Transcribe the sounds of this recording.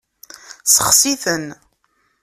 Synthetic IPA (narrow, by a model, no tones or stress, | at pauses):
səχsiθən